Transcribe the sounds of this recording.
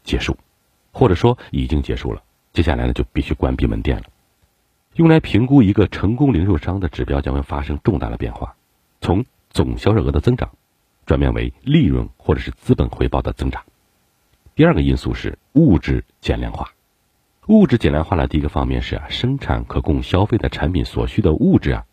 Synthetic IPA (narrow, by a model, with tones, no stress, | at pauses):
t͡ɕjɛ˧˥ʂu˥˩ | xwɔ˥˩ʈ͡ʂɤ˨˩ʂwɔ˥i˨˩t͡ɕi˥ŋt͡ɕjɛ̰˧˥ʂṵ˥˩lə̰˩ | t͡ɕjɛ˥ɕja˥˩la̰˧˥nə˧t͡ɕo˥˧ʊpi˥˩ɕy˥kwa˥npi˥˩mə̰˧˥nt̪jɛ̰˥˩nlə˩ | jʊ˥˩ŋla˧˥ɪpʰi˧˥ŋku˥i˧˥ɡə˧ʈ͡ʂʰɤ˧˥ŋkʊ˥ŋli˧˥ŋʂu˥˩ʂɑ˥ŋd̪ə˨ʈ͡ʂɻ̩˨˩pjɑ˥ʊt͡ɕjɑ˥ŋxwe˥˩ɪfa˥ʂɤ˥ŋʈ͡ʂʊ˥˧ŋt̪a̰˥˩d̪ə̰˩pjɛ̰˥˧nxwa̰˥˩ | t͡sʰʊ˧˥ŋ | t͡sʊ˨˩ŋɕjɑ˥ʊʂo˥˩ɤ˧˥d̪ə˧t͡sɤ˥ŋʈ͡ʂɑ̰˨˩˦ŋ | ʈ͡ʂwa˨˩nmjɛ̰˥˩nwḛ˧˥ɪli˥˧ɻwə̰˥˧nxwɔ˥˩ʈ͡ʂɤ˨˩ʂɻ̩˥˩t͡sɹ̩˥pə˨˩nxwe˧˥ɪpɑ˥˩ʊd̪ə˩t͡sɤ˥ŋʈ͡ʂɑ̥˨˩˦ŋ | t̪i˥˧ɐ˞˥˩ɡə˩i˥˧sṵ˥˧ʂɻ̩˥˩ | u˥˩ʈ͡ʂɻ̩˥˩t͡ɕjɛ˨˩nljɑ̰˥˧nxwa̰˥˩ | u˥˩ʈ͡ʂɻ̩˥˩t͡ɕjɛ˨˩nljɑ̰˥˧nxwa˥˩d̪ə̰˩t̪i˥˧˥ɡə˧fɑ˥ŋmjɛ̰˥˧nʂɻ̩˥˩ɐ̰˨˩ʂɤ˥ŋʈ͡ʂʰa̰˧˥nkʰɤ˨˩kʊ˥˩ŋɕjɑ˥ʊfe˥˧ɪd̪ə˨˩ʈ͡ʂʰa˧˥npʰi˨˩nswɔ̰˨˩ɕy˥d̪ə˨ʔu˥˧ʈ͡ʂɻ̩˥˩ɐ̰˩